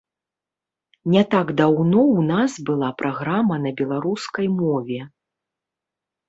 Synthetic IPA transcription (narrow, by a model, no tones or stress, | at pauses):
nʲɛt̪aɡd̪awnɔwnasbɨlˠapɾʔaɣɾamɐnɐbʲɛlˠaɾuskɐjmɔvʲɛ